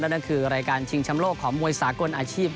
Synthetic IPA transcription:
naː˦˥˩na˥˩kʰɯː˧ɾaː˧jkaː˧nt͡ɕʰi˧ŋt͡ɕʰa˧mloː˥˩kʰːɔː˩˦ŋmu˧əjsaː˩˦ko˧nʔaː˧t͡ɕʰiː˥˩p̚

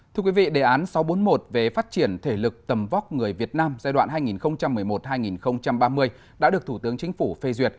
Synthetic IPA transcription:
t̪ɨ˧əkwi˨˦vḭ˧˨ɗe˨˩ʔaː˨˦nsa˨˦wɓo˨˦nmo˨˩t̚ve˨˩faː˦˥t̚t͡ɕi˧˩ənt̪ʰe˧˩lɨ˨˩k̚t̪ə˨˩mva˦˥k͡p̚ŋɨ˨˩əjvi˨˩ət̚naː˧mzaː˧jɗwa̰ː˧˨nɦaː˧jŋi˨˩nxə˧wŋ͡mt͡ɕa˧mːɨ˨˩əjmo˨˩t̚haː˧jŋi˨˩nxə˧wŋ͡mt͡ɕa˧mɓaː˧mɨ˧əj | ɗa̰ː˧˥ɗɨ˨˩ək̚t̪ʰu˧˩t̪ɨ˨˦əŋt͡ɕï˨˦ŋ̟fu˧˩fe˧zwi˨˩ət̚

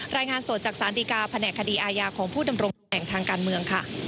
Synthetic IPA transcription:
ɾaː˧jŋaː˧nsu˨˩t̪̚t͡ɕaː˨˩k̚saː˩˦˥ndiː˧kaː˧pʰa˧nɛː˨˩kʰːa˧diː˧ʔaː˧jaː˧kʰɔː˩˦ŋpʰuː˥˩da˧mɾo˧ŋ | ɛː˨˩ŋt̪ʰaː˧ŋkaː˧nmɯ˧əŋkʰa˥˩

